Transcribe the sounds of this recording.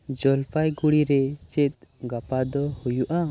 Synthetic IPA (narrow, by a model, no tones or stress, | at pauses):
d͡ʒɔlpʰajɡuɽiɾɛt͡ʃɛt̪̚ɡapad̪ɔhujuʔa